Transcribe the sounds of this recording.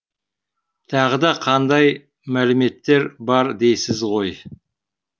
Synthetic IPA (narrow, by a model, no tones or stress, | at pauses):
t̪ʰɑʁəd̪ɑqʰɑnd̪ɑj | mælɪme̞t̪ːe̞ɾbɑɾd̪e̞jsɪzʁo̞j